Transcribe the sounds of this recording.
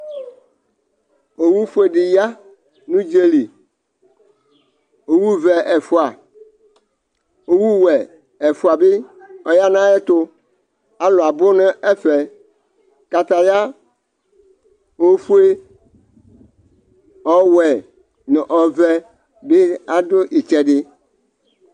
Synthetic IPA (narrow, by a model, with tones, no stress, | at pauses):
o˨wu˦fu˦e˦ɖi˨ja˦ | nũ˦d͡ʒe˦li˨ | o˨wu˦vɛ˨ʔɛ˨fu˦a˨ | o˨wu˦wɛ˨ | ɛ˨fu˦a˨be˦ɔ˦ja˦nã˦ɛ˦t̪ʊ˦ | a˨lʊ˨a˨bʊ˦ne˦ɛ˦fɛ˨ | ka˨t̪a˨ja˦ | o˦fu˦e˦ | ɔ˦wɛ˨ | ne˨ʔɔ˨vɛ˦ | be˦a˦dʊ˦ʔi˨t͡ʃɛ˦ɖɪ˦